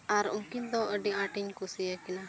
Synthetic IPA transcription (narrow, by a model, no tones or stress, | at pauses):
aɾũŋkind̪ɔəɖiaʈiɲkusijakina